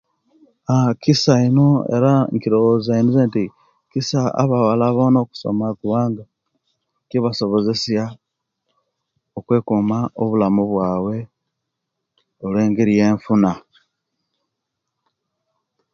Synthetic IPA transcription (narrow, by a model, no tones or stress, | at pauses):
akisaino̞ḛɾaŋkiɾowozainizenti | kisaa̰βawalaβo̞ːnoːku̥so̞̰makuβaːŋɡa | kiβaso̞βo̞ze̞sja | okwe̞ːkumaoβulamuβwaːwe̞ | olweːŋɡiɾije̞ːɱfuna